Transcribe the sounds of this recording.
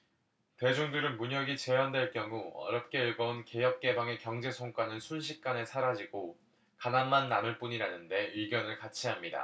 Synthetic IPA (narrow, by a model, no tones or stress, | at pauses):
te̞d͡ʑoŋdɯɾɯnmuɲʌɡit͡ɕe̞wandwe̞ɭk͈jʌŋuʌ̰ɾjʌp̚k͈e̞ɯɭɡʌunke̞jʌp̚k͈e̞baŋe̞kjʌŋd͡ʑe̞sʰoŋk͈wanɯnsʰunɕʰik̚k͈anesʰaɾad͡ʑiɡo | kananmanːamɯɭp͈uɲiɾanɯnde̞ɥiɡjʌnɯɭkat͡ɕʰiɦamɲida̰